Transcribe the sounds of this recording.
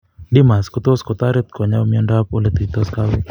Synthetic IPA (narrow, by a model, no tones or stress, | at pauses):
dɪmaskot̪oskɔt̪aɾet̪̚kɔɲamiɔndakolet̪ut̪oskaw